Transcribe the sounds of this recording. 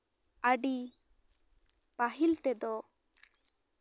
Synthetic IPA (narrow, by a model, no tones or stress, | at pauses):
əɖi | paɦilt̪ɛd̪ɔ